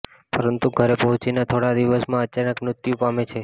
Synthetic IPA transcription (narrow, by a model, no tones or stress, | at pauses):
pəɾənt̪uɡʱəɾepəɦʊ̃t͡ʃinat̪ʰoɽad̪iʋəsmãət͡ʃanəkmɾʊt̪jũpamet͡ʃʰe